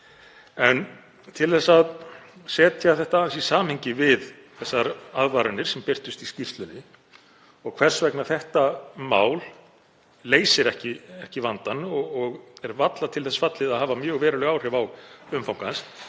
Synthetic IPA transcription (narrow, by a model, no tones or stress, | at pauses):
ɛn | t̪ʰɪlθɛsːaðsɛːt̪ʰjaθɛht̪ansisaːmheɲcɪvɪð | θɛsːaɾaðvaɾɪnɪɾ̥sɛmpɪr̥t̪ʏst̪iscir̥t̪lʏnɪ | ɔɣkʰv̥ɛr̥svɛknaθɛht̪amaːwlː | eːjsɪɾɛhcɪɛhcɪvant̪anːɔɔɣɛɾvat̪lat̪ʰɪlθɛsfat̪lɪðaðɦaːvamjœːɣvɛːɾʏlœɣawr̥ɪvawɣʏmfawŋkans